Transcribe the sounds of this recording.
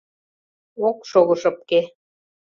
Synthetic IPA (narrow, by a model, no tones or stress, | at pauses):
okʃoɣɤ̆ʃɤ̆p̚ke